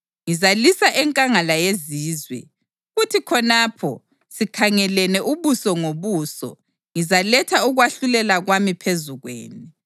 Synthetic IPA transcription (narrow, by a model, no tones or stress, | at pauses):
ŋizalisaʔɛŋkʼaŋalajeziːzwɛ̰ | ɣutʰikʰɔnaːpʰɔ̰ | sikʰaŋɛlɛnɛʔuβusɔŋoβuːsɔ̰ | ŋizalɛtʰauɣwaɬulɛlaɣwamipʰezuɣwḛːni